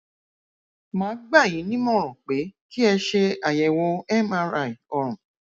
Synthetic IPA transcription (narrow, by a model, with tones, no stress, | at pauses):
mãː˨˦ɡ͡ba˦˨j̃ĩ˨˦nĩ˦mɔ̃˦˨ɾɔ̃˨k͡pe˨˦ki˦ɛ˧ʃe˧a˨jɛ˨wo˧˦ɛ˦mã˦ɾa˨i˨ɔ˧ɾ̃ũ˨